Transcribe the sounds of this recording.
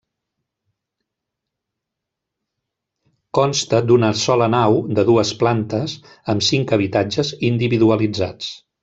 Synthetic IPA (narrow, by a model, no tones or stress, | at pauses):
kɔnst̪əd̪unəsɔlənawd̪əðuəsplant̪əz | əmsiŋkəβit̪ad͡ʒəzind̪iβiðuəlid͡za̰t͡s